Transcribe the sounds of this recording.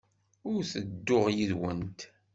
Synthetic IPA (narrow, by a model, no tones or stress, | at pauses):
ʊɾθəd̪ːʊʁjiðwənt̪